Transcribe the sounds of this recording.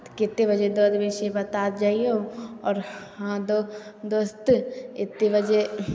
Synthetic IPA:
kɪt̪ːebɐd͡ʒed̪ɔːd̪ʋeːʃebɐt̪aːt̪d͡ʒaːioɔːɾhãd̪od̪ost̪ɪt̪ːebɐd͡ʒe

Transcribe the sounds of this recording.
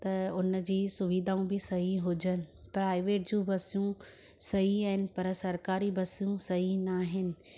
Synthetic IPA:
t̪ɐʊnəd͡ʑiːsʊʋid̪ʱaːũbɪsɐɦiɦʊd͡ʑənɪ̆pɾaːɪʋeːʈ̚d͡ʑũːbɐsijũ | sɐɦiaːɦɪnɪ̆pɐɾsɐɾkaːɾibɐsijũsɐɦinaːɦɪnɪ̆

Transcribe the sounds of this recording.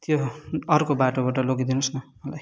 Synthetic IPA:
t̪joʌrkobaʈobaʈʌloɡid̪inusnʌmʌlaj

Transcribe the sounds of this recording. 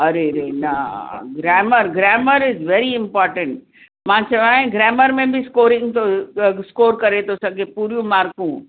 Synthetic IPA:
ɐɾeɾenaɡɾɛːməɾɡɾɛːməɾɪzʋɛːɾiɪ̃mpɔːɾʈə̃ɳʈ̚ | mãt͡ʃɐʋaːɦẽɡɾɛːməɾmẽbʱɪskoːɾɪ̃ŋɡt̪ʰoskoːɾkɐɾet̪ʰosɐɡʱepuːɾijũmaːɾkũ

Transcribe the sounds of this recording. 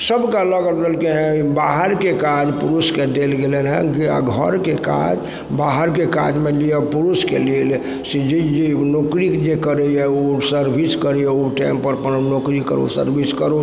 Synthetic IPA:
səbkaləɡət̪d̪əlkeɦɛ̃baɦəɾkekad͡ʒpuɾusked̪elɡelənɦɛ̰ɡa̰ɡʱəɾkeka̰d͡ʒ | baɦəɾkeka̰d͡ʒmeliəpuɾuskḛlel | sid͡ʒid͡ʒenokɾikd͡ʒekəɾəɛosəɾbʱiskəɾiɛoʈaɪmpəɾpənnokɾikə̰ɾo̰sə̰ɾbʱiskəɾo

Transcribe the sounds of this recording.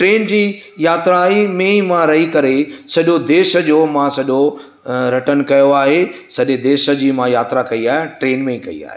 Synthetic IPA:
ʈɾeːnd͡ʑiː | jaːt̪ɾaimẽimãɾɐɦikɐɾesɐʄod̪eːʃə̆d͡ʑoːmãsɐʄo | ɾɐʈənkɐjoaːɦesɐʄed̪eːʃə̆d͡ʑiːmãjaːt̪ɾakɐiaːɦɪẽʈɾeːnmẽikɐḭa̰ːɦḛː

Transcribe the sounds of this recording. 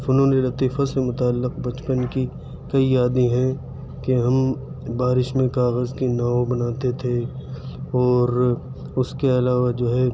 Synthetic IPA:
ʊnɦõːnelɐt̪iːfasemʊt̪aːlːɪqbɐt͡ʃpənki | kɐiaːd̪iɦɛ̃ | keɦɐm | baːɾɪʃmẽkaːɣəzkinaːobɐnaːt̪et̪ʰe | ɔːɾ | ʊskeɐlaːʋad͡ʒoːɦɛ

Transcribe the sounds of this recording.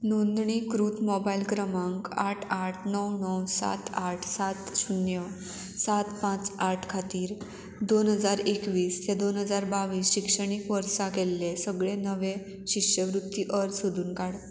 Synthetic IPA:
nond̪ɳikɾut̪mɔbailkɾəmãŋkaʈʰaʈʰnəwnəwsa̰t̪aʈʰsat̪ɕunjə | sat̪pãt͡saʈʰkʰat̪iːɾ | d̪onɦəd͡zaɾekʋiːst̪ed̪onɦəd͡zaɾbaʋiːsɕikʂəɽ̃ikʋəɾsakɛlːesəɡɭẽnəʋe | ɕikʂjəʋɾut̪ːiʔəɾt͡sɦod̪uːnkaɽ

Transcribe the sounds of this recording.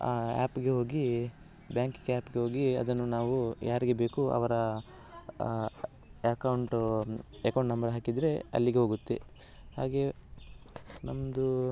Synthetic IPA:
aːa̰ːpɡe̞ɦo̞ːɡi | bjaːŋkɡaːpɡeɦo̞ːɡiɐ̰d̪ɐnːunaːʋujʔaːɾiɡe̞be̞ːkuɐ̰ʋɐɾɐ | ɐkɐwɳʈ | ekɐwɳʈnɐmbɐɾɦaːkid̪ɾe̞ɐ̰lːiɡeɦoːɡut̪ːḛ | ha̰ːɡe̞ | nɐmɐd̪u

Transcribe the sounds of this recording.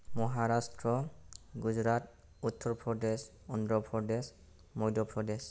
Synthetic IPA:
mɔɦaɹastɹɔɡud͡ʒɹat | utʰːɔɹpʰɹɔdes | ɔndɹɔpʰɹɔdes | mɔjdɔpʰɹɔdes

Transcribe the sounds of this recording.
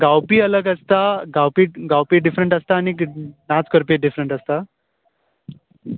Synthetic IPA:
ɡawpiːələɡəst̪aɡawpiːɡawpiːɖifɾəɳʈəst̪aːniknat͡skəɾpiːɖifɾəɳʈəst̪a

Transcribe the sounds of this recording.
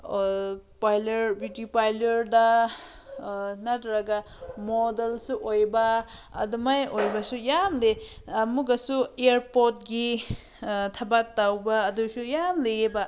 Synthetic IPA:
pajleɾbudipajleɾda | natɾaɡa | modelsuʔojba̰ːdumajojbasujamlemuɡasueɾpot̚ɡi | tʰabatːawbaːdusujamlejeba

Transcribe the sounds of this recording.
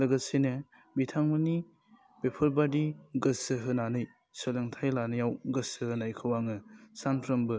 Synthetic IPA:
lɐɡɐsenɯ | bitʰaŋmɐni | bepʰɐɾbadiɡɐsɯɦɯnanɯj | sɯlɐŋtʰajlanɐjawɡɐsɯhɯnajkʰɯwaŋɯsanpʰɾɐmbɯ

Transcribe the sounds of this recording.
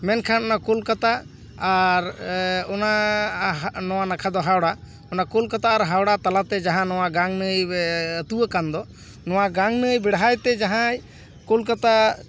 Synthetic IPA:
mɛnkʰanɔnakulkat̪aː | ɾɔna | nɔwanakʰad̪ɔɦawɽa | ɔnakulkat̪aːɾɦawɽat̪alat̪ɛd͡ʒaɦãnɔwaɡaŋnəjət̪uwəkand̪ɔ | nɔwaɡaŋnəjbɛɽɦajt̪ɛd͡ʒaɦãj | kulkat̪a

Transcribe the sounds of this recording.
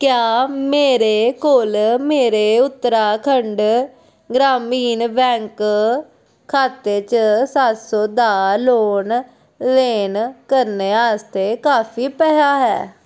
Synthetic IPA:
kjaːmeːɾeːkoːlmeːɾeːʊt̪ːəɾaːkʰəɳɖ | ɡɾaːmiːnbɛ̃ːŋk | kʰːaːt̪eːt͡ʃsat̪soːd̪aːloːn | leːnkəɾneːaːst̪eːkaːpʰiːpɛːɦaːɦɛ̰ː

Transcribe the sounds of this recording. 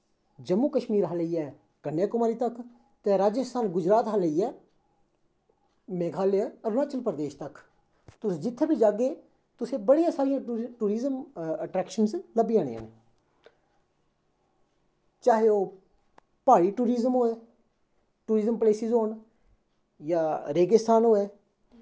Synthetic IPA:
d͡ʒəmːuːkəʃmiːɾɦaːləiːɛː | kənːjaːkʊmaːɾiːt̪ək | t̪ẽːɾaːd͡ʒəst̪ʰaːnɡʊd͡ʒɾaːt̪ɦaːləiːɛː | mẽːkʰaːleɛəɾnaːt͡ʃəlpɾəd̪eːʃt̪ək | t̪ʊsd͡ʒɪt̪ʰːeːbʱiːd͡ʒaːɡeː | t̪ʊsẽːbəɽijãːsaːɾɪjãːʈuːɾiːzəməʈɾɛːkʃənsləbiːãːnḛːa̰ːne | t͡ʃaːɦeoː | paːɽiːʈuːɾiːzəmɦoːeː | ʈuːɾiːzəmpleːsizoːn | jaːɾeːɡəst̪ʰaːnɦoːɛː

